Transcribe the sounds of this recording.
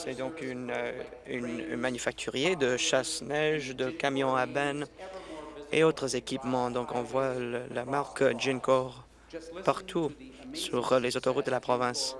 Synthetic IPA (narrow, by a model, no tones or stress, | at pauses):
sɛd̪ɔ̃kyn | ynmanyfak̚t̪ʰyʁjed̪əʃasnɛʒd̪əkamjɔ̃abɛn | ḛot̪χəzekʲipmɑ̃d̪ɔ̃kɔ̃vwaləlamaʁkdʒinkɔʁ | paʁt̪ʰusyʁlezot̪ɔʁut̪̚d̪əlapχɔvɛ̃s